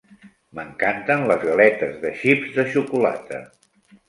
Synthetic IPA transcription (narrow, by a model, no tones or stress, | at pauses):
məŋkant̪ənləzɣəlɛt̪əzðəʃibzðəʃukula̰t̪ə̰